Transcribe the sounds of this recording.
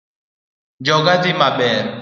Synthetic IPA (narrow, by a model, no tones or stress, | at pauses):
d͡ʒɔɡazimaɓɛː